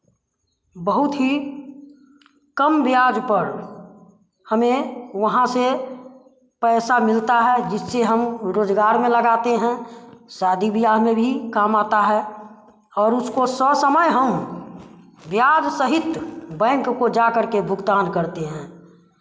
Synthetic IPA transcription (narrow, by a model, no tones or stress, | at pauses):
bəɦʊt̪ɦi | kəmʋjaːd͡ʒpəɾ | həmẽʋəɦãse | pɛːsamɪlt̪aɦɛd͡ʒɪsːeɦəmɾoːd͡ʒɡaːɾmẽləɡaːt̪eɦɛ̃saːd̪ibijaɦmẽbʱikaːmaːt̪aɦɛ | ɔːɾʊskosəsəməjɦəm | ʋjaːd͡ʒsəɦɪt̪bɛ̃ːŋkkod͡ʒakəɾkebʱʊɡt̪aːnkəɾt̪eɦɛ̃ː